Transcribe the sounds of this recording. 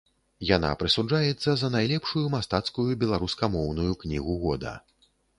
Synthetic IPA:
jan̪a̰pɾɨsud͡ʐajɛt̪sːɐzɐnajlʲɛpʂujumast̪at̪skujubʲɛlˠaɾuskɐmɔwnujuknʲiɣuɣɔd̪ɐ̰

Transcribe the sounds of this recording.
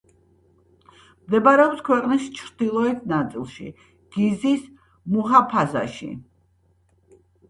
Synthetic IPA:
md̪ɛbaɾɛɔpskʰwɛqʼnist͡ʃʰɾd̪̥ilˠɔɛt̪ʰnat̪sʼḭlˠʃḭ | ɡ̥izis | muɦapʰaza̰ʃḭ

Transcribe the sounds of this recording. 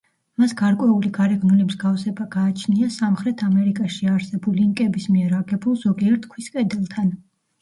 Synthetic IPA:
masɡ̥aɾkʼwɛuliɡaɾɛɡnunɛbzɡafsɛbaɡaːt͡ʃʰniasamχɾɛt̪ʰamɛɾikʼaʃiaɾsɛbuliiŋkʼɛbismiɛɾaɡɛbulˠz̥ɔɡiɛɾt̪ʰkʰwiskʼɛd̪ɛlˠt̪ʰan

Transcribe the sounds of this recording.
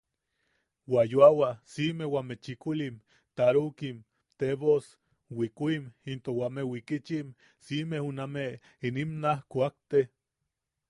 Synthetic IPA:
wajoawasimewamet͡ʃikulim | t̪aɾukim | t̪eβos | wikʷimint̪owamewikit͡ʃim | simehuname | inimnahkuak̚t̪e

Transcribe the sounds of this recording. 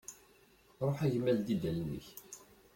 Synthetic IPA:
ɾˤoħæʝəmːæld̪id̪ælnːə̰ç

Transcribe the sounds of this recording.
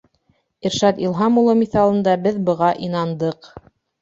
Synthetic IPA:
iɾʃɑt̪ilˠɦɑmulˠɤmiθɑlˠɤ̆nd̪ɑbɘðbɤ̆ʁɑʔin̪ɑnd̪ɤq

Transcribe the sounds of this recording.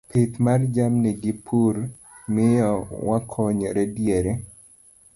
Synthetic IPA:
pʰit̪mard͡ʒamneɡɪpʰur | mɪjɔwakʰɔɲɔɾɛdjeɾe

